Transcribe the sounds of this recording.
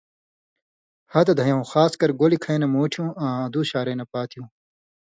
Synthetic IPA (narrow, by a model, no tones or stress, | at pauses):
hɐt̪ɐd̪ʱɐjɐ̃w̃xaːskɐɾɡoːlikʰɐjnɐmoːʈʰjũːãːɐd̪uɕaːɾɐːnɐpaːt̪ʰijũː